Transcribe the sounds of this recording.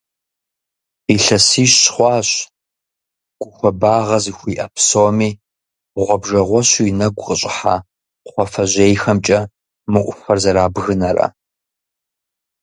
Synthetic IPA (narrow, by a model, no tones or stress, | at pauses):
iɬɐsiːɕχʷɑːɕ | ɡ̥ʷʊxʷɔbaːʁɐzixʷiːʔɐpʰsoːmiː | ʁʷɔbʒɐʁʷɔɕuinɐɡʷʊqəɕʼɪħa̰ː | χʷɔfɐʑejxɐmt͡ʃʼɐ | mɨʔʷʊfɐrzɐɾaːbɣɨnɐrɐ̰